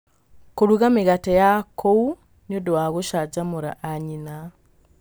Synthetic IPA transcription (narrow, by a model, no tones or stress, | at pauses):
koɾuɣamiɣatejakʰou | niodoaɣoʃaɟamuɾa̰ʔːɲina